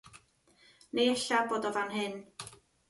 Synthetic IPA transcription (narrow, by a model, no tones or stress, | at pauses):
neɛɬaboːdɔvanɦɨn